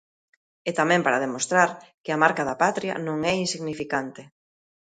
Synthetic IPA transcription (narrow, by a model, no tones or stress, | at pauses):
et̪amɛ̃mpaɾaðemost̪ɾaɾkɪɐmaɾkaðɐpat̪ɾja̰nõŋɛinsiɣnifikant̪ɪ